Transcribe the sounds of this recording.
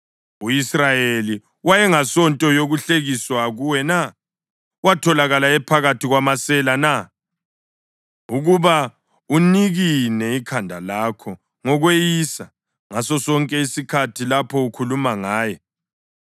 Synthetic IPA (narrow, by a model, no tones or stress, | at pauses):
uisrajeli | wajɛŋasɔntʼɔjoɣuɬeɣiswaɣuwɛna | watʰɔlaɣalaɛpʰaɣatʰiɣwamasɛlana | uɣuβa | uniɣinɛikʰandʱalakʰɔ | ŋɔɣwejiːsa | ŋasɔsɔŋkʼɛisikʰatʰilapʰɔukʰulumaŋaːjɛ